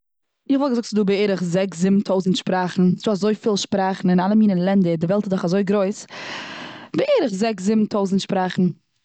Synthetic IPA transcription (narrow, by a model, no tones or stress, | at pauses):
ɪχvɔlˠɡəzʊktt͡sɪduːbəeɪɾəχzɛkszɪbm̩tʰoʊzn̩tʃpɾaːχn̩sduːazoɪfiːlˠʃpɾaːχn̩ɪnalˠəmiːnənlˠɛndədɪvɛlˠtɪtdʊχazoɪɡɾoɪs | bɪeɪɾəχzɛkszɪbm̩tʰoʊzn̩tʃpɾaːχn̩